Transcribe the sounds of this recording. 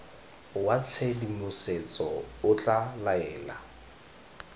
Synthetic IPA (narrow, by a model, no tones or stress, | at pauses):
wat͡sʰɛdimʊset͡sʼɔʊt͡ɬʼalaɛːla̰